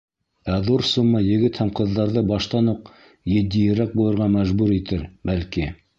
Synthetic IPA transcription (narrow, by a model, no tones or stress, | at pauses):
æðuɾsumːɤjɘ̆ɡɘt̪hæmqɤ̆ðːɑɾðɤbɑʃt̪ɑnuq | jɘ̆d̪ijɘ̆ɾæk̚bulˠɤ̆ɾʁɑmæʒbuɾit̪ɘɾbælki